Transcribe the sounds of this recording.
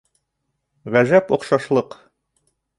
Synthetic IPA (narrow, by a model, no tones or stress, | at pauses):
ʁæʒæpŏqʃɑʃlˠɤq